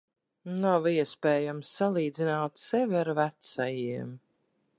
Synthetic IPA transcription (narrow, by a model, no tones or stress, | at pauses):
naviɛspɛːjamsːalˠiːd̪zinaːt̪sɛvʲiaɾvæt̪sajiɛm